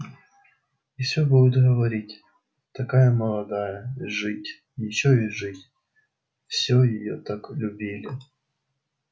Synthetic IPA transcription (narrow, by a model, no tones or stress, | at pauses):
ifsʲɔbud̪ʊt̪ɣɐʋɐɾʲitʲ | t̪ɐkajɐmɐlˠɐd̪ajɐʐɪtʲ | jɪt͡ɕɔjiʐɪtʲ | fsʲɔjɪjɔt̪aklʲʊbʲilʲɪ